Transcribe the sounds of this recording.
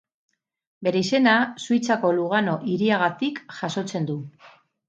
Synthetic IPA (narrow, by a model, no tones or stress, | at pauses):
be̞ɾe̞ise̞nasuijt͡sako̞luɣ̞ano̞ʔiɾiaɣ̞at̪ikʝaso̞t͡se̞nd̪u